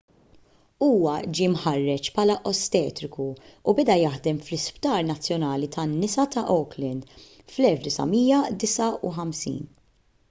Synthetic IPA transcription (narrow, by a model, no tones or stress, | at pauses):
uːwɐd͡ʒiːmħɐrːɛt͡ʃpʰɐːlɐʔɔst̪ɛːt̪ɾɪkuubɛd̪ɐjɐħd̪ɛmflɪspt̪ɐːɾnɐt͡sːjɔnɐːlit̪ʰɐnːɪsɐt̪ɐʔɔwklɛnd̪ | flɛlfd̪ɪsɐ̰miːjɐd̪ɪsɐuħɐmsḭːn